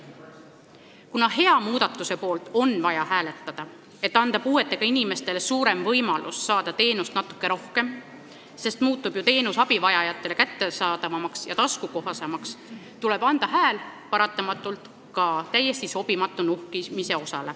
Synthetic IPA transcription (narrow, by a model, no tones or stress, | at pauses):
kunɑɦe̞ɑmuːd̪̥ɑt̪ːˑuse̞po̞ːlt̪ˑo̞nvɑjɑhæːle̞t̪ːˑɑd̪̥ɑ | e̞t̪ːɑnd̪̥ɑpuːe̞t̪ːˑe̞ɡ̥ɑinime̞st̪e̞lesuːɾe̞mvɤjmɑlʔṵsːɑːd̪̥ɑt̪e̞ːnust̪nɑt̪ːu̥kːˑe̞ɾo̞hke̞m | se̞st̪muːt̪ːˑub̥jut̪e̞ːnusɑb̥ivɑjɑjɑt̪ːˑe̞le̞kæt̪ːe̞sɑːd̪̥ɑvɑmɑksjɑt̪ɑskuko̞ɦɑsemɑks | t̪ule̞b̥ɑnd̪̥ɑɦæːlpɑɾɑt̪ːˑɑmɑt̪ːˑult̪ | kɑt̪æjːe̞st̪iso̞b̥imɑt̪ːˑunuhkimise̞o̞sɑ̰le̞